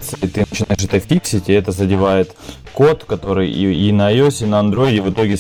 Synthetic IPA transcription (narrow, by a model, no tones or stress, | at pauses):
t̪sɨɪt̪ɨnət͡ɕɪnaɪʂ̬ɛt̪əfʲiksʲɪtʲɪɛt̪əzədʲɪvajɪt̪ | ko̞t̪kɐt̪o̞ɾɨjinɐːjosʲɪnəɐnd̪ɾo̞ɪdʲɪvɨt̪o̞ɡʲɪ